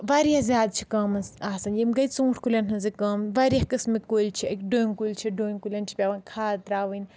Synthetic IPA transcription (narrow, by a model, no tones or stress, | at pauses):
ʋɐɾjazʲjaːd̪̚t͡ʃʰi̥kɐmɐsaːsɐnjimɡɐjt͡sũːʈʰkulʲɐnɦɐnzɨkɐmʋɐɾijɐkɨsmikolʲt͡ʃʰiɐkʲɖoːnʲkulʲt͡ʃʰiɖoːnʲkulʲɐnt͡ʃʰi̥pʲaʋɐnkʰaːt̪ɾaːʋɐnʲ